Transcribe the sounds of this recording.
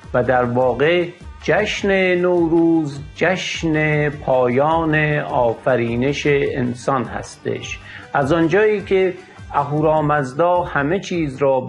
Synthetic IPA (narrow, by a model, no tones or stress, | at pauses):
væd̪æɾvɒːɣed͡ʒæʃnenowɾuːzd͡ʒæʃnepʰɒːjɒːneɒːfæɾiːneʃeːnsɒnhæ̰st̪ḛʃ | ʔæzɒnd͡ʒɒːiːkʰe | æɦuːɾɒːmæzd̪ɒːhæme̞t͡ʃʰiːzɾɒːb